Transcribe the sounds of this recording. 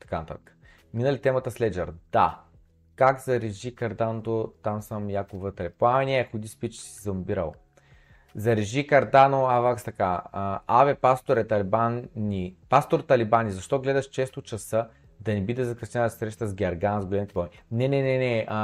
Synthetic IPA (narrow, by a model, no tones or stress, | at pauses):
t̪ɐ̥kanɐt̪a̰t̪ə̥kə̥ | minəlit̪ɛmɐt̪əslɛd͡ʒɛɾd̪̥a̰ | kaɡzɐɾɛʒikɐɾd̪anot̪ot̪amsəmjakovət̪ɾɛpoamɛnɛxod̪ispit͡ʃsizɐmbiɾɐ̰lˠ | zɐɾɛʒikɐɾd̪anoavakst̪ɐkaavɛpast̪oɾɛt̪ɐlibanːipast̪oɾt̪ɐlibanizɐʃt̪ɔɡlɛd̪ɐʃt͡ʃɛst̪ot͡ʃɐsɤ | d̪ɐnɛbid̪ɛzɐkɾɐsnʲɛnɐsɾɛʃ̬t̪əzɡʲɐɾɡanzɡolɛmit̪ɛpaminɛnɛnɛnɛ